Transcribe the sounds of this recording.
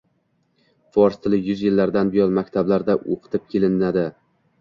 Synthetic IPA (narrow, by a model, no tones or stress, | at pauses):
fɒɾst̪ʰɪlɪjʊzjɪlːaɾd̪anbɪjɒnmakʲt̪ʰablaɾd̪aʔo̰qʰɨ̥t̪ʰɪp̚kʲʰe̞lɪnad̪ɪ